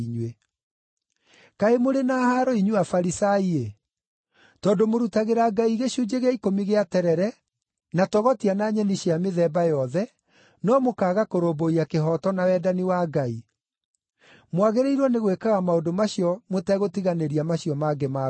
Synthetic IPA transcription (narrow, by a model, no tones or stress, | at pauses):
iɲwe | kaemoɾenahaɾɔiɲuafaɾisaie | tɔːndomoɾutaɣeɾaɡaiɣeɕud͡ʑeɣaikomiɣeatɛɾɛɾɛ | natɔɣɔtianaːɲɛniɕeameðɛːbajɔðɛ | nɔmokaːɣakoɾoboiakeɦɔtɔnawɛdaniwaɡai | mwaɣeɾeiɾwɔneɣwekaɣamaodomaɕijɔmotɛɣotiɣaneɾiamaɕiɔmaɡɛma